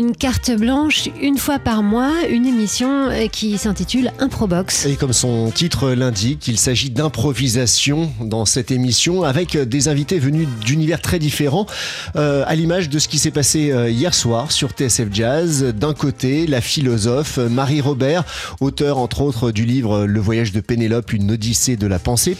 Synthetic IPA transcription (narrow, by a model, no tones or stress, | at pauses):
ynkaʁt̪blɑ̃ʃynfwapaʁmwaynemisjɔ̃kʲʰisɛ̃t̪it̪ylɛ̃pχɔbɔksekɔmsɔ̃t̪it̪χəlɛ̃d̪ikːilsaʒid̪ɛ̃pχɔvizasjɔ̃d̪ɑ̃sɛt̪emisjɔ̃avɛkd̪ezɛ̃vit̪evənyd̪ynivɛʁt̪χɛd̪ifeʁɑ̃ | øa̰limaʒd̪əsə̥kʲisɛpaseøijɛʁswaʁsyʁt̪eɛsɛfʒazd̪ɛ̃kot̪elafilɔzɔfmaʁiʁɔbɛʁot̪œʁɑ̃t̪χot̪χəd̪ylivʁələvwajaʒd̪əpenelɔpynːɔd̪ised̪əlapɑ̃se